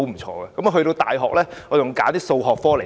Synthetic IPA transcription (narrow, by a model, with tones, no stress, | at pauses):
wm̩˨˩t͡ʃʰɔ̰ː˧ɡɛ˧kɐ˨˦mɔ˧ɦɵ˧tɾo˧wt̪a̰ː˨jɦɔː˨k̚lɛː˥ŋɔ˨˧jʊ˨˩ŋkaː˨˦˥t̪iː˥so˧wɦɔː˨k̚fɔː˥le˨˩